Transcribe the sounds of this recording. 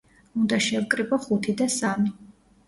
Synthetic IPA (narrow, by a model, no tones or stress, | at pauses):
und̪aʃɛvkʼɾibɔχut̪ʰid̪asami